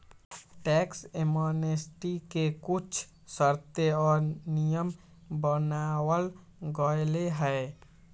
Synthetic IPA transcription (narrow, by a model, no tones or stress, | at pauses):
ʈɛksemonesʈikekut͡ʃʰ | səɾt̪eɔːɾnijəm | bənawəl | ɡəjleɦəe